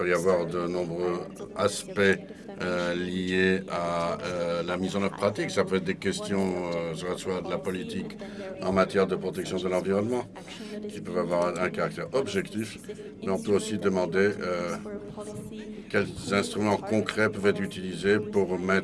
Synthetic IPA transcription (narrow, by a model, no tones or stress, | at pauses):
pøavwaʁd̪ənɔ̃bʁøaspɛ | ølijeaølamizɑ̃nɔt̪χəpχat̪iksapøɛt̪χd̪ekʲɛst̪jɔ̃øsəʁaswad̪əlapɔlit̪ik | ɑ̃mat̪jɛʁd̪əpχɔt̪ɛksjɔ̃d̪əlɑ̃viʁɔnmɑ̃ | kʲipœvavwaʁɛ̃kaʁak̚t̪ɛʁɔbʒɛkt̪if | mɛɔ̃pøosid̪əmɑ̃d̪eø | kʲɛlzɛ̃st̪χymɑ̃kɔ̃kχɛpœvɛt̪χyt̪ilizepuʁmɛt̪